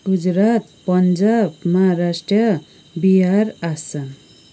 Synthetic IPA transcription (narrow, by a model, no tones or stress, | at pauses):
ɡud͡zɾat̪pʌnd͡ʒabmʌɦaɾasʈrʌ | biɦaɾasa